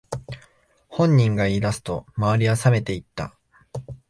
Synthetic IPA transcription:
hõ̞ɲ̟ːĩŋɡaid̪asɨ̥t̪o̞̰maβaɾʲiasame̞t̪e̞it̪ːa̰

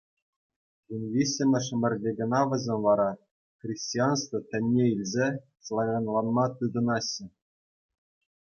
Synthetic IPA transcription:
unʲvʲisʲɘ̆mʲɘ̆ʂmʲɘ̆rʲdʲeɡɤ̆nɑʋɘ̆zʲenʲʋɑɾɑ | krʲisʲtʲiɑnst̪vɤ̆t̪ʲɘ̆nʲːeilʲzʲe | slˠavʲɑnlˠɑnmɑt̪ɯd̪ɤ̆nɑɕːɘ̆

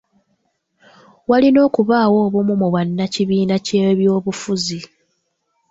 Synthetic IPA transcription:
walino̞ːkuβaːwo̞ːβomumuβwanːaciβiːnaceβjo̞ːβufuzi

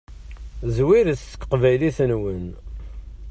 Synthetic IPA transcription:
zwiɾəθə̥kːqvæjliθənwən

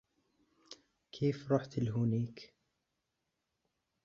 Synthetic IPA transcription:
kʰeːfɾˤɑːħt̪alɦʊniːk

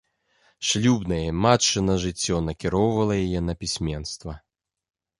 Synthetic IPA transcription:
ʂlʲubnɐjɛmatt͡ʂɨnɐʐɨt͡sʲːɔnɐkʲiɾɔwvɐlˠɐjajɛnɐpʲisʲmʲɛnst̪vɐ

